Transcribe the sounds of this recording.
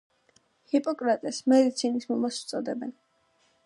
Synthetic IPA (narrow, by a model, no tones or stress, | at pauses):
hipʼɔkʼɾat̪ʼɛsmɛd̪it̪sʰinismɔmasut̪sʼɔd̪ɛbɛn